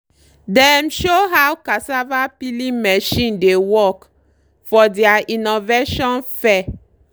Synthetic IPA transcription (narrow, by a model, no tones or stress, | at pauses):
dɛ̃mʃoɦawkasavapilĩmɛʃĩndewɔk | fɔdɛaʔinoveʃɔ̃nfɛ